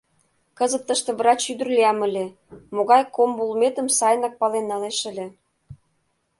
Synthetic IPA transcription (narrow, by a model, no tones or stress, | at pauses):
kə̆zə̆p̚t̪ə̆ʃt̪ĕβɾɑt͡ɕyd̪ə̆rliɑmə̆lʲĕ | moɣɑjkombulmet̪ə̆msɑjnɑk̚pɑlenːɑleʃəlʲĕ